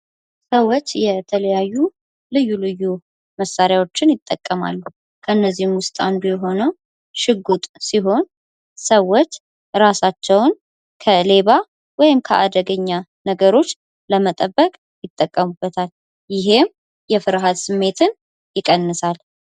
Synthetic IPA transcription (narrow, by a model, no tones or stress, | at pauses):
səwːot͡ʃːjɛt̪ʰələjajːu | lɨjːulɨjːu | məsaɾjawo̞t͡ʃːɪnjɪt̪ʼːə̰kʼːəma̰lːu | kʰəɨnːəzːihɪmwʊst̪ʼand̪ujɛɦo̞nəw | ʃɨɡut̪ʼsiɦo̞n | səwːot͡ʃː | ɾasat͡ʃːɛwn | kʰəle̞βa | wɔjɪmkʰə̰ʔa̰d̪əɡəɲːa | nəɡəɾo̞t͡ʃː | ləmət̪ʼəbːəkʼ | jɪt̪ʼːəkʼːəmubːət̪ʰal | jɪɦe̞m | jɛfɨɾɦad̪sɨmːe̞t̪ʰɨn | jɪkʼənːɨsal